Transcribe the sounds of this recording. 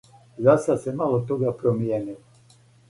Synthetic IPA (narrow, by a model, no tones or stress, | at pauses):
zasasɛmalɔt̪oɡapɾɔmijɛnilɔ